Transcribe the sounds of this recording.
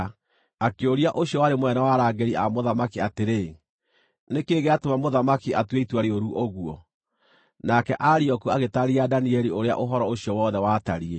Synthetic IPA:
akeoɾiaʔoɕjɔwaɾemwɛnawaɾaːɡeɾia̰moðamakiateɾe | nekeːɣeatomamoðamakiatweitwaɾeoɾuʔoɣwɔ̰ | nakɛʔaɾiɔkuaɣetaɾiadaniɛɾioɾea̰ʔoɦɔɾɔoɕiɔwɔːðɛwataɾie

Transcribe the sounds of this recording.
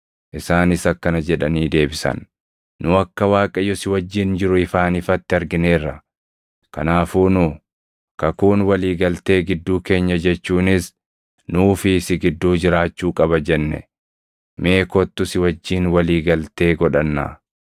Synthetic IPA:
ʔɪsaːnɪsɐkːɐnɐd͡ʒɛᶑɐniːd̪e̞ːbɪsɐ̰nː | ʊɐkːɐwaːkʼɐjɔsɪwɐd͡ʒːɪnd͡ʒɪɾʊɪfaːnɪfɐt̪ːɪɐɾɡɪne̞ːrːɐ | kɐ̰naːfuːnʊ | kɐkuːnwɐliːɡɐlt̪e̞ːɡɪd̪ːuːke̞ːɲːɐd͡ʒɛt͡ʃːuːnɪs | nuːfɪsɪɡɪd̪ːuːd͡ʒɪɾaːt͡ʃːuːkʼɐbɐd͡ʒɛnːɛ̰ | me̞ːkɔt̪ːʊsɪwɐd͡ʒːiːnwɐliːɡɐlt̪e̞ːɡɔᶑɐnːa̰ː

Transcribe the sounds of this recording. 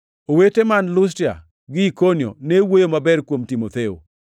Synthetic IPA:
owetemanlʊs̬tia̰ | ɡɪikonio̰newojomabɛɾkwomtimot̪eo̰

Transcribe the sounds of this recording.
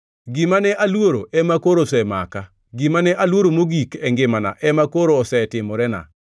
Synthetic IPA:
ɡimanɛʔalwoɾoʔɛmakoɾosɛma̰ka | ɡimanɛʔalwoɾomoɡikɛŋɡɪmana̰ʔɛmakoɾoːsɛtɪmɔɾɛna̰

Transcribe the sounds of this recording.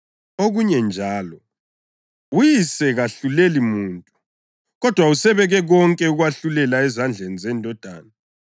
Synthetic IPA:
oɣuɲɛnd͡ʒʱaːlɔ | ujisɛɣaɬulelimuːntʼu | ɣɔd̥ʱwausɛβɛɣɛɣɔŋkʼɛuɣwaɬulɛlaɛzand͡ɮʱenizɛndʱɔd̥ʱa̰ːna

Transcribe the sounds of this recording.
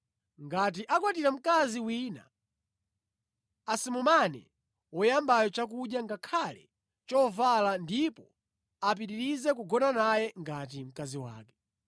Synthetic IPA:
ŋɡat̬iʔakwatiɾam̩kaziwina̰ | simumanɛ̰ | wɔjambajɔt͡ʃak̬uɗjaŋɡakʰalɛ | t͡ʃɔvalandipɔ | ap̬iɾiɾizɛkuɡɔnanajɛŋɡat̬im̩kaziwa̰ːkɛ̥

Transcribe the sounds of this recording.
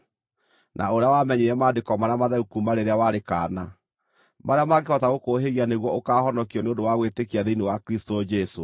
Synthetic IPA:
nʔa̰oɾeawamɛɲeɾɛmaːdekɔmaɾamaðɛukumaɾeɾeawaɾeka̰ːna | maɾeamaɡehɔtaɣokoɦeɣianeɣwɔokahɔnɔkiɔneondowaɣwetekiaðeinewakɾistɔd͡ʒɛso

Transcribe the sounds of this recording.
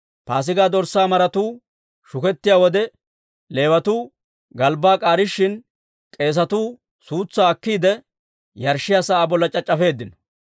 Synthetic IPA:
paːs̬ɪɡaːd̪ɔɾsːaːmɐɾɐt̪uː | ʃʊkɛt̪ːɪjaːwɔd̪ɛ | le̞ːwɐt̪uː | ɡɐlbaːkʼaːɾɪʃːɪn | kʼe̞ːs̬ɐt̪uː | suːt͡sːaːkːiːd̪ɛ | jɐɾʃːɪjasɐaːbɔlːɐt͡ʃʼɐt͡ʃʼːɐfe̞ːd̪ːɪnɔ̥

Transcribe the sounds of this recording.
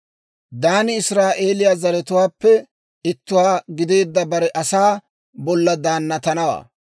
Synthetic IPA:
d̪aːnɪɪsɾaːʔe̞ːlɪjaːzɐɾɛt̪ʊwaːpːɛ | ɪt̪ːʊwaːɡɪd̪e̞ːd̪ːɐbɐɾɛʔɐsaː | bɔlːɐd̪aːnːɐt̪ɐnɐwa̰ː

